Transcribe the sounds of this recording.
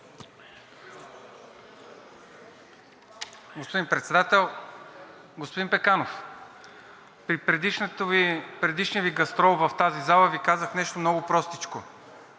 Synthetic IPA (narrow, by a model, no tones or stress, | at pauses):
ɡospod̪inpɾɛt̪sɛd̪at̪ɛlˠ | ɡospod̪inpɛkanof | pɾiɾɛʃt̪pɾɛd̪iʃniəviɡɐst̪ɾɔlˠvɐft̪azizalˠəvikazəxnɛʃt̪omnɔɡʊpɾɔst̪it͡ʃko